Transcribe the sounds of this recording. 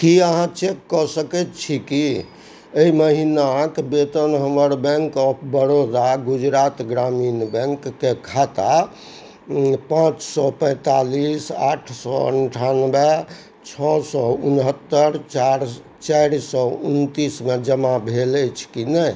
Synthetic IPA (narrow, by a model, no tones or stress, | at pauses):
kiəɦãt͡ʃekkːɔsəkɛt̪t͡ʃʰiki | eiməɦinakbet̪ənɦəməɾbɛ̃ŋkəbəɾod̪aɡud͡ʒɾat̪ɡɾaminbɛ̃ŋkːekʰat̪a | pãt͡ʃsɔpə̃jt̪alisa̰ʈʰsɔ̰ə̰ɳʈʰanbe | t͡ʃʰɔsɔunɦət̪ːəɾt͡ʃaɾ | t͡ʃajɾsɔunt̪ismed͡ʒəmabʱelət͡ʃʰkinɛ